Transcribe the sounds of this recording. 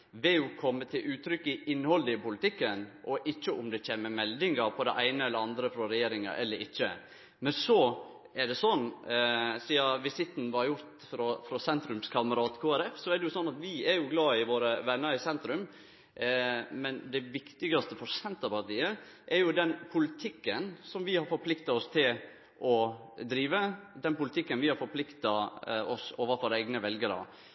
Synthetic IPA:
ʋɪjʊkʰɔmːət̪ʰɪlʔʉːt̪ʰɾʏkːɪʔɪnːhɔld̪əɪpʊlɪt̪ɪkːənʔɔʔɪçːəʔʊmd̪ɛc͡çeːməmɛld̪ɪŋɑpʰɔd̪ɛ̰ʔæɪnəɛlːəɾɑnd̪ɾəfɾɔɾɛjeːɾɪŋɑ̰ʔɛ̰lːəɾɪçːə̰ | mɛnsɔ | ɛɖɛsɔnː | siːɑʋɪsɪt̪ːn̩ʋɑɾjʊɾt̪fɾɔfɾɔsɛnt̪ɾʉmskʰɑməɾɑːt̪kʰoːæɾɛfsɔæɖ̪ɛjʊsɔnːɑt̪ʋɪɛɾjʊɡlɑːɪʋoːɾəʋɛnːəɾɪsɛnt̪ɾʉm | mɛnd̪ɛʋɪkt̪ɪɡɑst̪əfɔɾsɛnt̪ɑpɑɾt̪iːə | ʔɛɾjʊd̪ɛnpʰʊlɪt̪ʰɪkːənsɔmʋɪhɑɾfɔɾpʰlɪkt̪ɑɔst̪ʰɪl | ʔɔd̪ɾiːʋəd̪ɛnpʊlɪt̪ʰɪkːənʋɪhɑɾfɔɾpʰlɪkt̪ɑɔsoːʋəɾfɔɾəɛɪɡnəʋɛlɡəɾə̰

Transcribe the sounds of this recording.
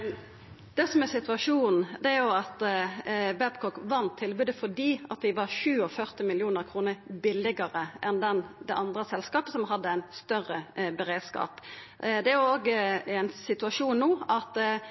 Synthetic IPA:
d̪̥ɛsɔmæsɪt̪ʉɑʂuːnn̩d̪ɛæɾjʊɑt̪ | bæbkʰɔkʋɑnt̪ʰːɪlbʉːd̪əfɔd̪iːʔɑt̪ʋɪʋɑɾʃʉːɔfœɾt̪ɪmɪlɪuːnəɾkʰʁuːnəɾbɪlːɪɡəʁəʔɛnd̪ɛnd̪ɛʔɑnd̪ʁəsɛlskɑːpəsɔmɦɑd̪ːəæɪnst̪œʁəbəɾeːd̪skɑ̰ːp | d̪ɛæɾjʊoːɡəænsɪt̪ʉɑʂuːnnuːɑt̪

